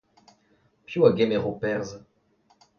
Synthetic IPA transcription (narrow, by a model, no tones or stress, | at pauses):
pjuaɡɛmɛʁopɛʁz